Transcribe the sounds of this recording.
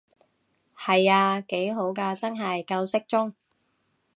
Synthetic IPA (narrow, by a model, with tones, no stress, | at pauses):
hɐ˨jaː˧ke˨˥jɦo˨˥wkaː˧t͡sɐ˥nɦɐ˨jkɐ˧wsɪ˥k̚t͡sʊ˥ŋ